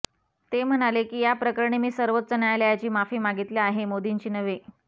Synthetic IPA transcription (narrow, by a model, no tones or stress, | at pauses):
t̪em̤ənalekiːjapɾəkəɾɳ̃emiːsəɾʋət̪ːt͡sənajlejat͡ɕiːmafiːmaɡit̪leaɦemod̪iɲt͡ɕiːnəʋe